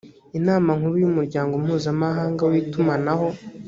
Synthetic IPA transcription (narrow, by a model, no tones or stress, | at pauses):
inaːmaŋ̥uɾujumuɾɟaːŋɡo̞mhuːzamaɦaːŋɡawitumanaɦo̞